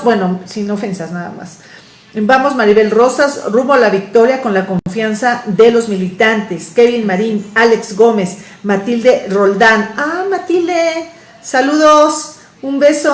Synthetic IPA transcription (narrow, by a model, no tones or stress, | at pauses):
bwe̞nosinofensaznaða̰ma̰s | bamo̞zmaɾiβe̞lro̞sasrumβolaβik̚t̪o̞ɾjako̞nlako̞ɱɱfjansaðe̞lo̞zmilit̪ant̪e̞skeβinmaɾinale̞kzɡome̞s | mat̪ild̪erold̪anamat̪ild̪e | saluðos | umbe̞so